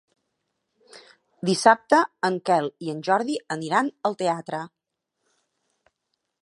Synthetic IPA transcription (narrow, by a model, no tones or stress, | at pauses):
d̪isap̚t̪əːŋkɛlˠiənʲʒɔɾðiəniɾanəlˠt̪eat̪ɾə